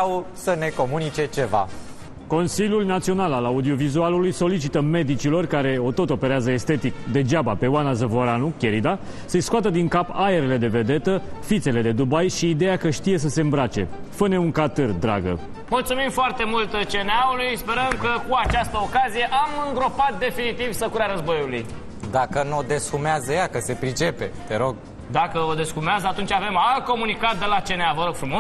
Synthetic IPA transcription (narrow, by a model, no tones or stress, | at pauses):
səne̞ko̞munit͡ʃe̞t͡ʃe̞va̰ | ko̞nsiljulnat̪sio̞nalalaud̪io̞vizualulujso̞lit͡ʃit̪əme̞d̪it͡ʃilo̞rkaɾe̞o̞t̪o̞t̪o̞pe̞ɾeazəe̞st̪e̞t̪ikd̪e̞d͡ʒabape̞wanazəvo̞ɾanukʲe̞ɾid̪a | sejskoat̪əd̪iŋkapae̞ɾele̞d̪e̞ve̞d̪e̞t̪əfit̪se̞le̞d̪e̞d̪ubajʃiːd̪e̞jakəʃt̪ije̞s̬əse̞ɨmbɾat͡ʃe̞̰fəne̞uŋkat̪ɨrd̪ɾa̰ɡə̰ | mult̪sumimfoart̪e̞mult̪t͡ʃe̞neaulujspe̞ɾəmkəkuat͡ʃast̪əokazije̞ʔamɨŋɡɾo̞pat̪̚d̪e̞finit̪ivsəkuɾaɾəzbo̞juluj | d̪akənod̪e̞skumeazəjakəse̞pɾit͡ʃe̞pe̞t̪e̞ɾo̞ɡ̚ | d̪akəod̪e̞skumeazəat̪unt͡ʃave̞malt̪̚ko̞munikat̪̚d̪e̞lat͡ʃe̞neavəɾo̞ɡ̥fɾumos